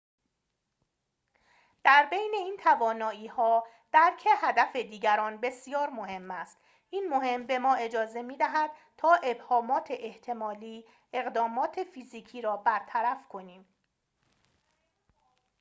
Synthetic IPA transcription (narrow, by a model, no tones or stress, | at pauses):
d̪̥æɾbejne̞iːnt̪ʰævɒːnɒːiːhɒː | d̪̥æɾcʰehæd̪æfe̞d̪iːɟæɾɒːnbe̞sijɒːɾmo̞he̞mːæst̪ | ʔiːnmo̞he̞mbe̞mɒːe̞d͡ʒɒːze̞miːd̪æɦæd̪̥̚ | t̪ʰɒːʔe̞bhɒːmɒːt̪ʰe̞ʔeht̪ʰe̞mɒːliː | e̞ɣd̪ɒːmɒːt̪ʰe̞fiːziːcʰiːɾɒːbæɾt̪ʰæɾæfkʰo̞niːm